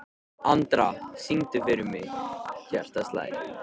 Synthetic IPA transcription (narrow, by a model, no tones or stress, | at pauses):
ant̪ɾasiŋt̪ɪfeɾʏmɪɣçɛr̥t̪ast̪la̰ːj